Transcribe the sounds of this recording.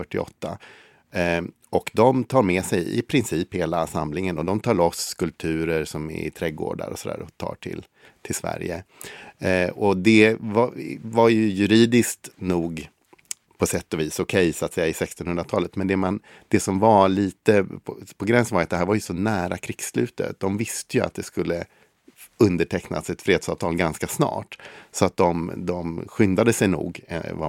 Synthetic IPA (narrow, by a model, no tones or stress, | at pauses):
œʈːɪɔ̰t̪ːa̰ | ɔkd̪ɔmt̪ʰɑːɾmɛsɛjɪ̰pʰɾɪnsiːpheːlasa̰mlɪŋənɔd̪ɔmt̪ʰɑːɭɔskʰɵlp̚t̪ʰʉ̟ːɾəɾsɔmɪ̰t̪ʰɾɛɡo̰ːɖa̰ɾɔ̰sɔd̪æ̰ːɾɔt̪ʰɑ̰ːʈʰɪ̰l | t̪ʰɪlsvæ̰ɾjə̰ | ɔd̪ɛvavaɾjɵjɵɾiːd̪ɪskt̪nuːɡ | pʰɔsɛt̪ːɔviːsɔkʰɛjsɔat̪sɛjːaɪsɛkst̪ɔnhɵnd̪ɾat̪ʰɑːlət̪mɛnd̪ɛman | d̪̥ɛsɔmvaɭiːt̪əpʰɔɡɾɛnsənvaɾjat̪̚d̪ɛɦæɾvaɾjɵsɔnæːɾakʰɾɪɡslʉ̟ːt̪ə̰t̪̚d̪ɔmvɪst̪əjɵa̰t̪̚d̪ɛskɵlːə | ɵnd̪əʈʰɛkna̰sɛt̪fɾeːd̪sɑːvt̪ʰɑːlɡanskasnɑ̰ːʈsɔat̪̚d̪ɔmd̪ɔmɧʏnd̪ad̪əsɛjnṵːɡva̰